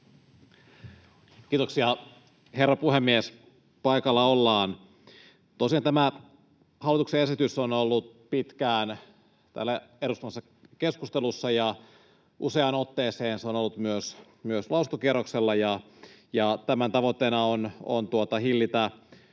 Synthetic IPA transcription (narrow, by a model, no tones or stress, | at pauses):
kiːt̪oksiɑ | herːɑpuhemːies | pɑikɑlːɑolːɑːn | t̪osiɑnt̪æmæ | hɑlːˑit̪uksee̞sit̪ysonolːut̪ | pit̪kæːn | t̪æ̰lːæeɾust̪umɑsːɑ | ke̞skust̪elusːɑjɑ | ʔuseɑnot̪ːeːseːnseo̞nolːut̪myøs | myøslɑˑusunt̪okierːokselːɑjɑ | jɑt̪æmænt̪ɑʋot̪ːeːnɑono̰nt̪uot̪ɑhilːit̪æ